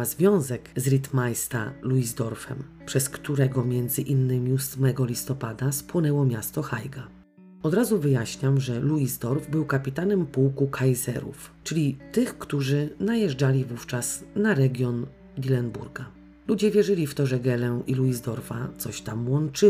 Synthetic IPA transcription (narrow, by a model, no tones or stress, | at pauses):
azvʲjɔ̃w̃zɛkzɾʲit̪majst̪a̰luizd̪ɔɾfɛ̰m | pʂɛskt̪uɾɛɡɔmʲjɛnd̪zɘʔinːɘmʲiusmɛɡɔlʲist̪ɔpad̪aspwɔnɛwɔmʲjast̪ɔxajɡa | ɔd̪ɾazuvɘjaɕɲamʐɛluizd̪ɔɾvbɘwkapʲit̪anɛmpuwkukʰajzɛ̰ɾṵf | t͡ʂɘlʲit̪ɘxkt̪uʐɘnajɛʐd͡ʐalʲivuft͡ʂasnaɾɛɡʲjɔn | d̪ʲilɛnbṵɾɡa | lud͡ʑɛvʲjɛʐɘlʲift̪ɔʐɛɡɛlɛʔiluizd̪ɔɾfa̰t̪sɔɕt̪amwɔnt͡ʂɘ